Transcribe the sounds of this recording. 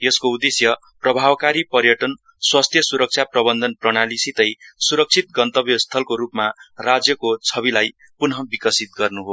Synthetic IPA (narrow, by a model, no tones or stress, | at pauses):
jʌskoud̪esjʌ | prʌbʱabkaɾipʌrjʌʈʌn | swast̪ʰjʌsuɾʌk̚t͡sʰjaprʌbʌnd̪ʱʌnprʌɽ̃alisit̪ʌjsuɾʌk̚t͡sʰit̪̚ɡʌnt̪ʌbjʌst̪ʰʌlkoɾupmarad͡zjʌkot͡sʰʌbilaj | punɦʌbikʌsit̪̚ɡʌrnuɦo